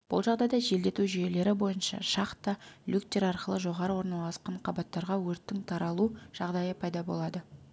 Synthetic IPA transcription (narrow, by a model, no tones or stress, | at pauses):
b̥ʊ̰lˠʒɑʁd̪ɑjd̪ɑʒe̞ld̪e̞t̪uʒʏje̞le̞ɾɪbo̞jənʃɑ̰ʃɑqt̪ɑlʲukt̪ʲe̞ɾɑɾqəlˠəʒo̞ʁɑɾəwo̞ɾnɑlˠɑsqɑɴqʰɑbɑt̪ːɑɾʁɑwɵɾt̪ːɪŋt̪ʰɑɾɑlˠuʒ̥ɑʁd̪ɑjəpʰɑjd̪ɑbo̞lˠɑd̪ə